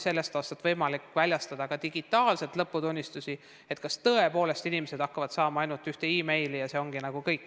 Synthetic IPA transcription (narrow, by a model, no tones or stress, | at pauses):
se̞lːe̞st̪ɑːst̪ɑt̪vɤjmɑlikːˑvælʲjɑst̪ɑd̪ɑɡ̥ɑt̪iɡ̥it̪ːˑɑːlse̞t̪lɤpːut̪unʲːist̪usʲi | e̞t̪kɑst̪ɤːe̞po̞ːle̞st̪inimese̞d̪̥ɑkːɑvɑd̪̥sɑːmɑɑjnult̪yht̪e̞iːme̞jlijɑse̞o̞ŋɡ̥inɑɡ̥ukɤjkːˑ